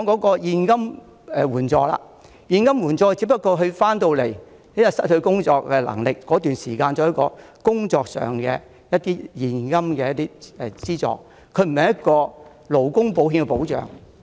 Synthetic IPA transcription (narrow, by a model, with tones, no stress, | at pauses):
ɔ˨˧ŋkɔː˨˥kɔː˧jiː˨˧nkɐ˥m | ɛ˨˧wuː˨˩nt͡ʃɔː˧la̰ː˧ | jiː˧nkɐ˥mwuː˨˩nt͡ʃɔː˧t͡siː˨˥pɐ˥t̚kːɔː˧ɦɵ˧ɥfaː˥nt̪o˧wle˨˩j | ne˥ɐ˧sɐ˥t̚hɵ˧ɥkʊ˥ŋt͡sɔː˧kːɛ˧lɐ̰˨˩ŋlɪ˨kːɔː˨˥t̪yː˨nsiː˨˩kaː˧nt͡sɔː˨˧˦jɐ˥t̚kɔː˧kʊ˥ŋt͡sɔː˧k̚sœ̰ː˨˩ŋkɛ̰ː˧ | jɐ˥t̪̚iː˥jiː˨nkɐ˥mkɛː˧jɐ˥t̪iː˥ɛ˨t͡siː˥t͡sɔ̰ː˨˧k̚ | kʰɵ˨˧ɥm̩˨˩ɐ˨jɐ˥t̚kɔː˧ | lo˨˩wkʊ˥ŋpo˨˥wɦi˧nkɛ˧po˨˥wt͡ʃœ̰ː˨˩ŋ